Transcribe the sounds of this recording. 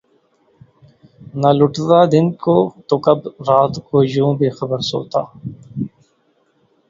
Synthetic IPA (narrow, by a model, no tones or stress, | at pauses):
nalʊʈd̪aːd̪ɪnkoːt̪okɐbɾaːt̪koːd͡ʒõːbʱiːxəbəɾso̰ːt̪a̰ː